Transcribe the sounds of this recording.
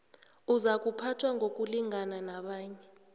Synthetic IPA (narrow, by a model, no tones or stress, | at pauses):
uzak̬ʼupʰatʰwaŋɡʱok̬ʼuliŋananaɓaːɲɛ